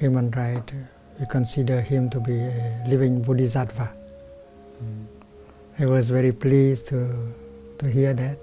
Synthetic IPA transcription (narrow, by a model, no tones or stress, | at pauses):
humə̃nɹajt | wikʰɔ̃nsidəhĩmtubielivɪ̃ŋbudizatva | awɔz̬vɛɹiplistʰu | tuɦiəd̪ɛt̚